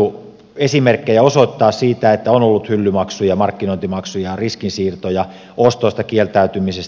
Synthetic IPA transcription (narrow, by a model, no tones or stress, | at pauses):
u | esimerkːejæosoit̪ːɑːssiːt̪æet̪ːæonolːut̪hylːymɑksujɑmɑrkːinoint̪imɑksujɑriskinsiːrt̪ojɑ | ost̪oist̪ɑkielt̪æyt̪ymises